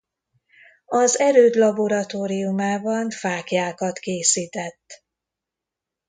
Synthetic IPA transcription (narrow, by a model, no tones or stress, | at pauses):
ɒzɛɾøːd̪lɒbo̞ɾɒt̪oːɾijumaːbɒnfaːkjaːkɒt̪keːsiːt̪ɛt̪ː